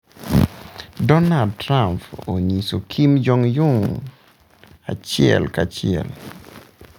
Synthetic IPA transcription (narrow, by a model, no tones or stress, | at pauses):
dɔnad̚tɾampoɲisokʰimd͡ʒɔŋjʊŋ | a̰t͡ʃɪɛ̰lkat͡ʃɪɛ̰l